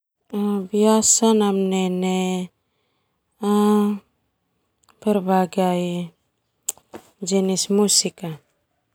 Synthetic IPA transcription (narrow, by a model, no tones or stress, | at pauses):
abiasanamnene | a | peɾbaɡaj | d͡ʒinismusika